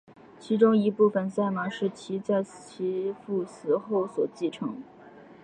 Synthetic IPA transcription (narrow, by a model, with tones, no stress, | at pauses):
t͡ɕʰi˧˥ʈ͡ʂʊ˥ŋi˧˥pu˥˩fə˨˩nsa˥˩ɪma˧˥ʂɻ̩˥˩t͡ɕʰi˧˥t͡sa˥˩ɪt͡ɕʰi˧˥fu˥˩sɹ̩˧˥xo˥˩ʊswɔ˨˩t͡ɕi˥˩ʈ͡ʂʰɤ˧˥ŋ